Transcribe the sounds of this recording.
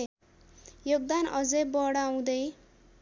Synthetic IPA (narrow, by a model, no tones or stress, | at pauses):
joɡ̚d̪anʌd͡zʌjbʌɽaw̃d̪ʌj